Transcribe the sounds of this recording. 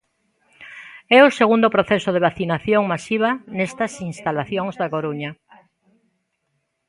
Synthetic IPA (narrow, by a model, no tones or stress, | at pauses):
ɛʊseɣund̪ʊpɾoθɛsʊð̞eβaθinaθjoŋmasiβ̞ɐnɛst̪ɐsinst̪alaθjoŋzðakoɾuɲɐ